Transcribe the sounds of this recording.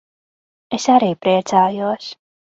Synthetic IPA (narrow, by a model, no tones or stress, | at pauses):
esaɾiːpɾiɛt̪saːjuɔs